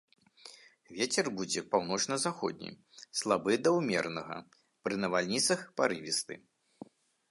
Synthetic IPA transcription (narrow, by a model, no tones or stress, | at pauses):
vʲet͡sʲɛrbud͡zʲɛpawnɔt͡ʂnɐzaxɔ̰d̪ʲnʲḭj | slˠabɨd̪ɐwmʲɛrnɐɣɐ̰ | pɾɨnɐvalʲnʲit̪sɐxpaɾɨvʲist̪ɨ̰